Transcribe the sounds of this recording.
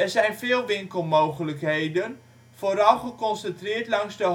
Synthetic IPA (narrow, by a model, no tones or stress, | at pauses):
ɛrzɛjnvɪːlˠʋɪŋkəlˠmowχələkɦejdən | foːɾɑlˠχəkɔnsəntrɪːɹtlɑŋzdə